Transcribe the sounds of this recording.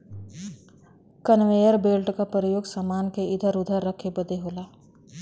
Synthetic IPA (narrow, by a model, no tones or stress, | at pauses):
kənʋeːjəɾbeːlʈkapɾəjoːɡsamaːnkeɪd̪ʱəɾʊd̪ʱəɾːəkʰːebəd̪eɦoːlaː